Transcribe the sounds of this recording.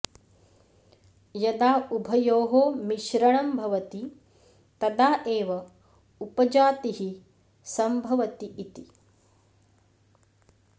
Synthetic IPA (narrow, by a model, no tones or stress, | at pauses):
jɐd̪aːubʱɐjoːɦoːmiʃɾɐɳɐmbʱɐʋɐt̪i | t̪ɐd̪aːʔeːʋɐ | upɐd͡ʒaːt̪iɦi | sɐmbʱɐʋɐt̪iːt̪i